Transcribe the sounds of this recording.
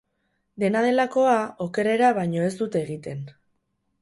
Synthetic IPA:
d̪e̞nað̞e̞lako̞ao̞ke̞ɾe̞ɾaβ̞ajɲo̞e̞zd̪ut̪eːɣit̪e̞n

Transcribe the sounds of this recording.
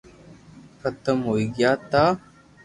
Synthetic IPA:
xət̪əmɦoːiːɡjaːt̪aː

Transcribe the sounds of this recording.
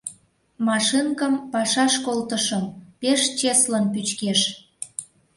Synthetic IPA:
mɑʃinkəmpɑʃɑʃkolt̪əʃəmpeʃt͡ɕeslənpyt͡ɕkeʃ

